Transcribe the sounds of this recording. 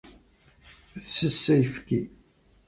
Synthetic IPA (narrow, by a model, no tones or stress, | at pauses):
θsəsːæjəfki